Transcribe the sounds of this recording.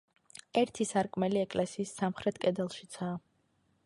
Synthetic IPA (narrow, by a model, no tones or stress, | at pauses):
ɛɾt̪ʰisaɾkʼmɛliɛkʼlɛsiːsːamχɾɛt̪ʰkʼɛd̪ɛlˠʃit̪sʰaː